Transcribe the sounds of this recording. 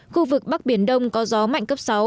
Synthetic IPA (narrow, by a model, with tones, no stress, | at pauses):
xu˧vɨ˨˩k̚ɓa˦˥k̚ɓi˧˩ənɗə˧wŋ͡mkɔ˨˦zɔ˨˦ma̰˧˨jŋ̟kə˦˥p̚sa˨˦w